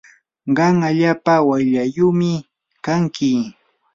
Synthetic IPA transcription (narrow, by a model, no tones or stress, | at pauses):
ɢɑŋaʎaːpawajʎajʊmɪ | kaŋkɪ